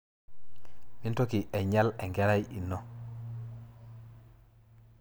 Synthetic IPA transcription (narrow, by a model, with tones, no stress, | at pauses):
mi˦nto˦ki˨ʔe˨ɲa˦le˨ŋɡe˦ɾa˦jḭ˨nːo˦